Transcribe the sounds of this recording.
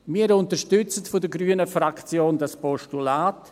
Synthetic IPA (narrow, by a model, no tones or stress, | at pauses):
miːəɾʊntəʃtʏt͡sətfʊdəɡɾyːənəfɾakt͡sjoːndaspɔʃtulaːt